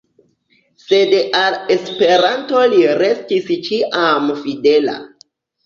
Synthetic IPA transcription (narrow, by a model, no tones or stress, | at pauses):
se̞dale̞spe̞ɾanto̞liɾe̞stist͡ʃiʔamfide̞la̰